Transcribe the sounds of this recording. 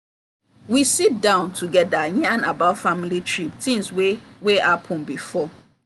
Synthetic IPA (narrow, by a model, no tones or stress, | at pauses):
wisit̚dãʊ̃ntʰuɡɛdajɛ̃ãnabafamilitʰɹiptʰĩmsweweapʰɔ̃nbifɔ